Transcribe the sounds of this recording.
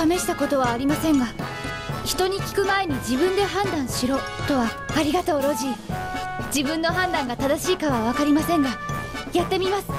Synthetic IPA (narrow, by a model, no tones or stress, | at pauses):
ame̞ɕi̥t̪ako̞t̪o̞βaːɾʲimasẽ̞ŋɡa | çi̥t̪o̞ɲ̟ikʲi̥kɯ̟mae̞ɲ̟id͡ʑibɯ̟̃nd̪e̞ɦãnd̪ãɰ̃ɕiɾo̞ː | t̪o̞βaːɾʲiɡat̪o̞ːɾo̞ʑi | d͡ʑibɯ̟̃nːo̞ɦãnd̪ãŋɡat̪ad̪aɕiːkaβaβ̞akaɾʲimasẽ̞ŋɡa | jat̪ːe̞mʲimasɨ̥